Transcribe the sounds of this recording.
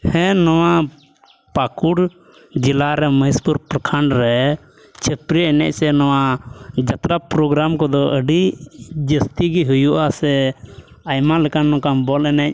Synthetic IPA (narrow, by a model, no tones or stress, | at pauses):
hɛ̃nɔwa | pakuɽ | d͡ʒilaɾɛməspuɾpɾəkʰaɳɖɾɛ | t͡ʃʰəpɾiɛnɛ̰c̚sɛnɔwad͡ʒat̪ɾapɾɔɡɾamkɔd̪ɔʔəɖid͡ʒəst̪iɡiɦujuʔasɛ | ajmalɛkanːɔ̃kambɔlɛnɛc̚